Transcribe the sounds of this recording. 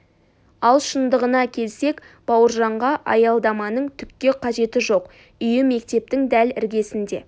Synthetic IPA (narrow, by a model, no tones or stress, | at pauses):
ɑlˠʃənd̪əʁənɑkʲʰe̞lse̞k | b̥ɑwəɾʒɑɴʁɑʔɑ̰jɑlˠd̪ɑmɑnəɴt̪ʰʏkʲkʲːe̞qʰɑʒe̞t̪ɪʒo̞q | ʏjɪme̞kt̪e̞p̚t̪ɪŋd̪ælɪɾɡʲe̞sɪnd̪e̞̰